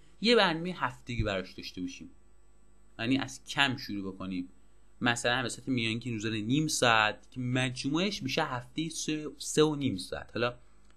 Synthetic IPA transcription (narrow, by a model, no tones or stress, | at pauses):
jebæɾnɒmejhæft̪eɟiːbæɾɒʃd̪ɒʃt̪e̞bɒʃiːm | jæniːʔæ̰z̥cʰæmʃuɾuːbe̞koniːd̪ | mæsælænvæsæt̪ʰemijɒːnŋkʰinuzæneniːmsɒæt̪̚ʰcʰemæd͡ʒmueʃbiːʃæhæft̪ejisseoniːmsɒ̰ːæ̰t̪hɒlɒː